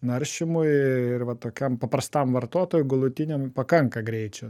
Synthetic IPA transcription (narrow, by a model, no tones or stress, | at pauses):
nɐɾʲʃʲɪmʊjɪrʋɐt̪oːkʲɛmpɐpɾɐst̪ɐmʋɐɾt̪oɔt̪oːjʊɡɐlˠʊt̪ʲɪnʲɛmpɐkɐŋkɐɡɾʲɛɪt͡ʃʲɛ